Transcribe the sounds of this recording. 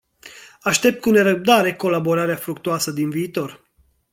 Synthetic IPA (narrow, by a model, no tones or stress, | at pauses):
aʃt̪e̞p̚t̪̚kune̞ɾəb̚d̪aɾe̞ko̞labo̞ɾaɾeafɾukt̪uasəd̪inviːt̪o̞r